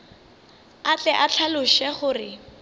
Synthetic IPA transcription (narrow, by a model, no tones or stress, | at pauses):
at͡ɬʼɛʔat͡ɬʰalʊʃɛχʊrɪ